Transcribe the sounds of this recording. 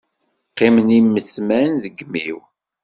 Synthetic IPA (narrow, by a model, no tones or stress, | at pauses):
qːemənimːəθmænðəɡmiw